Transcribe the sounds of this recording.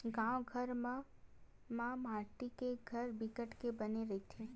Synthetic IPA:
ɡãwɡʱəɾm | mãmaːɾʈikeɡʱəɾbɪkəʈkebəneɾɐɦit̪ʰẽ

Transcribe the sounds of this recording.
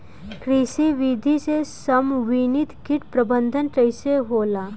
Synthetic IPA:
kɾisiʋid̪ʱisesɐmʋinit̪kiʈpɾɐbənd̪ʱənʈɾɐɪseɦoːlaː

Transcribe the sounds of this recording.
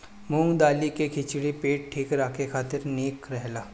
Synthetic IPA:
mũːd̪aːlikekʰɪt͡ʃɽipeːʈ̚ʈʰiːkɾaːkʰekʰaːt̪ɪɾneːkɾɛɦlaː

